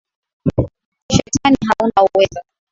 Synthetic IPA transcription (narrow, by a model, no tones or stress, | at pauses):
ʃɛtʰaniɦaunauwɛza